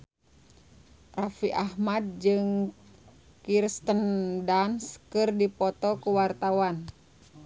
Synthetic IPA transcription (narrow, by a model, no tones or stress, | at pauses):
rafiʔahmad̪̚d͡ʒɨŋ | kirst̪əndanskɨrdipɔt̪ɔkuwart̪awan